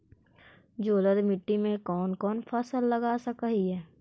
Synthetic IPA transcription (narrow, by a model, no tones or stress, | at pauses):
d͡ʒoːləd̪mɪʈːimẽkɔːnkɔːnpʰɐsəlːəɡaːsəkaɦiɦɛː